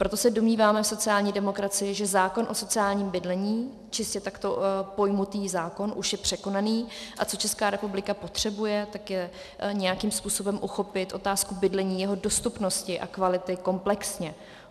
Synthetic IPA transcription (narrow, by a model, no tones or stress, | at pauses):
pɾot̪osɛdo̞mɲiːvaːmɛfso̞t͡sɪaːlɲiːdɛmo̞kɾat͡sɪɪʒɛzaːko̞nʔo̞so̞t͡sɪaːlɲiːmbɪdlɛɲiː | t͡ʃɪscɛt̪akt̪o̞po̞jmut̪iːzaːko̞nʔuʃjɛpr̝̥ɛko̞naniːʔat͡sot͡ʃɛskaːɾɛpublɪkapo̞t̪r̝̥ɛbujɛt̪akjɛ | ɲɛjakiːmspuːso̞bɛmʔuxo̞pɪt̪ʔo̞t̪aːskubɪdlɛɲiːjɛɦo̞do̞st̪upno̞scɪʔa̰kvalɪt̪ɪko̞mplɛksɲɛ